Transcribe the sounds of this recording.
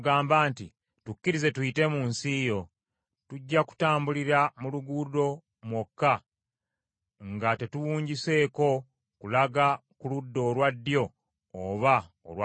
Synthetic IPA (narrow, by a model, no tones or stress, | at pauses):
ɡaːmbaːnti | tucːiɾize̞tuite̞muːnsijo̞ | tuɟːaku̥taːmbuliɾamuluɡudo̞ | mwokːa | ŋɡate̞tuwuːɲɟise̞ːko̞ | kulaɡakuludːo̞ːlwadːjo̞ː | βa | o̰lwa